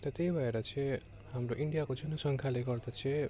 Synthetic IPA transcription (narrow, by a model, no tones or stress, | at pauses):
t̪ʌt̪ebʱʌeɾʌt͡sʰe | hamɾoʔiɳɖijakod͡zʌnʌsʌŋkʰaleɡʌrd̪ʌt͡sʰẽ